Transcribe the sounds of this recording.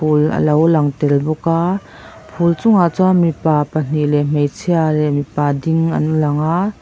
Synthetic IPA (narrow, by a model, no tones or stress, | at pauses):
ulɐ̰lɐwlɐŋt̪ɛlbɔka | pʰult͡sʊŋat͡sɔamipapɐn̥ilɛm̥ejt͡sʰialɛʔmipadiŋɐ̰nulɐŋa